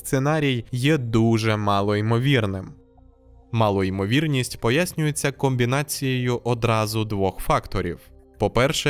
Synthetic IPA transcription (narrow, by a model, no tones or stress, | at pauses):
st̪senɑɾʲijjɛd̪uʒɛmɑlˠɔimɔʋʲirnɪm | mɑlˠʊimɔʋʲirnʲisʲtʲpɔjasʲnʲʊjet͡sʲːɐkɔmʲbʲinɑt͡sʲijejʊʔɔd̪ɾɑzʊd̪ʋɔxfɑkt̪ɔɾʲḭw | pɔpɛrʃɛ